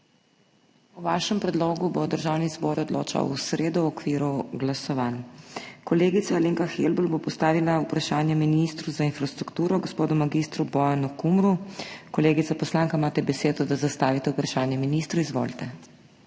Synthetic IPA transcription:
uʋaːʃɛmpɾɛd̪loːɡubod̪əɾʒaːwnizbɔɾɔd̪lo̰ːt͡ʃa̰wusɾeːd̪ɔɔkʋiːɾuɡlasɔʋankɔleːɡit̪saleŋkaxelbəlbopɔst̪aːʋilaupɾaʃaːnjɛminist̪ɾuzainfɾast̪ɾukt̪uːɾɔɡospoːd̪ɔmaɡist̪ɾubɔjanukumɾukɔleːɡit̪apɔslaːŋkaimaːt̪ɛbɛseːd̪ɔd̪azast̪aːʋit̪ɛupɾaʃaːnjɛminist̪ɾuizʋo̰lt̪ɛ

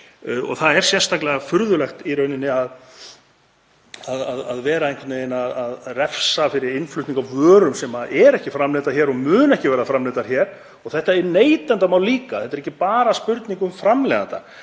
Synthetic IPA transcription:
ɔ̰ɣθaðɛɾ̥sjɛnst̪aklɛɣafʏɾðʏlɛxt̪iɾœɥnɪnːɪað | aðaðaðvɛːɾaenkvɛt̪enaðaðrɛfsafɪɾɪɾɪnflʏt̪niŋkawvœːɾʏmsɛmaʔɛɾɛhcɪfɾamleːt̪aɾ̥çɛːɾɔɣmʏːnɛhcɪvɛːɾafɾamleːt̪aɾ̥çɛːɾ̥ | ɔɣθɛht̪aɛɾneːjt̪ant̪amawliːkḁθɛt̪ɛɾɛcːɪpaːɾaspʏɾt̪niŋkʏmfɾamlɛða̰nt̪a̰

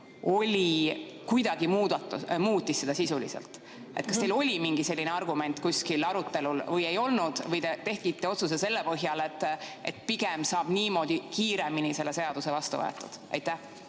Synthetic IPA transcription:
o̞lʲikujd̪̥ɑɡ̥imuːd̪ɑt̪ːumuːt̪ʲːˑisːe̞d̪̥ɑsisulḭsḛlt̪ˑ | e̞t̪kɑst̪elo̞lʲimiŋɡise̞lːineɑrɡume̞nt̪ˑkusʲkilɑɾut̪ːˑe̞lulvɤje̞jo̞lnud̪̥vɤjt̪et̪e̞hkit̪ːˑeo̞t̪sus̬ese̞lːepɤɦjɑle̞t̪ːˑe̞̰t̪piɡ̥emsɑːb̥niːmo̞ːd̪̥ʲikiːɾe̞minise̞lːese̞ɑd̪̥usevɑst̪ṵvɤ̰ḛt̪ːˑṵd̪̥ʔɑ̰jt̪ːæh

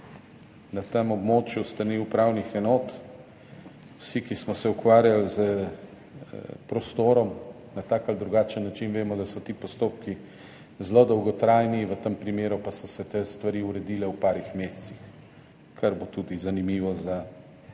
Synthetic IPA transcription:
nat̪əmɔbmoːt͡ʃjust̪aniwpɾawnixɛnɔːt̪ | wsikismɔsɛukʋaːɾjalzə | pɾɔst̪oːɾɔm | nat̪aːkald̪ɾuɡaːt͡ʃənːat͡ʃinʋeːmɔd̪asɔt̪ipɔst̪op̚ki | zlod̪ɔwɡɔt̪ɾaːjniʋət̪əmpɾimeːɾupasɔsɛt̪est̪ʋaɾiːuɾɛd̪ilɛwpaːɾixmeːst̪six | kʰaɾbot̪uːd̪izanimiːʋɔza

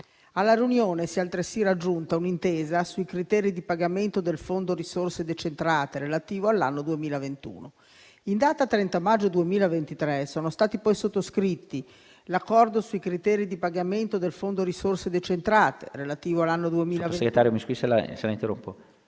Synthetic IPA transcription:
alːaɾiunjoːnesialt̪ɾesiɾad͡ʒːunt̪aunint̪eːzasuikɾit̪ɛːɾid̪ipaɡament̪od̪elfond̪oɾisorsed̪et͡ʃent̪ɾaːt̪eɾelat̪iːvoalːanːod̪uemiːlavent̪ṵːno | ind̪aːt̪at̪ːɾɛnt̪amad͡ʒːod̪uemiːlavent̪it̪ɾɛsoːnost̪aːt̪ipɔjsot̪ːoskɾit̪ːi | lakːɔrd̪osuikɾit̪ɛːɾid̪ipaɡament̪od̪elfond̪oɾisorsed̪et͡ʃent̪ɾaːt̪ḛrelat̪iːvoalːanːod̪uemilaoseɡɾet̪aːɾjomiskuisela̰selaint̪eɾo̰mpːo

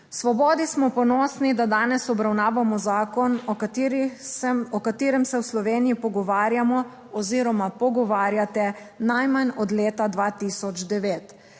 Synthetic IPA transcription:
sʋɔbɔːd̪ismɔpɔnɔːsnid̪ad̪aːnɛsɔbɾawnaːʋamɔzaːkɔnɾ | ɔkat̪eːɾɛmsɛwslɔʋeːnijipɔɡɔʋaːɾjamɔ | ɔziːɾɔmapɔɡɔʋaːɾjat̪ɛ | najmanɔd̪leːt̪ad̪ʋaːt̪iːsɔd͡ʒd̪ɛʋeːt̪

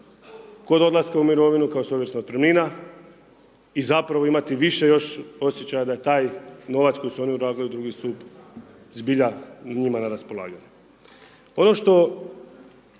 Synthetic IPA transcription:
ko̞d̪od̪lˠaskaumiɾo̞ʋinukaoso̞ʋje̞ɾsnaot̪pɾemliːna | izapɾaʋo̞imat̪iʋiʃe̞jo̞ʃo̞sjet͡ɕajad̪aje̞t̪aːjno̞ʋat̪kojsuo̞niuɾaːɡliud̪ɾuɡist̪uːp | zbiʎanɲimanaɾaspo̞lˠa̰ːɡaɲu | o̞no̞ʃt̪o̞

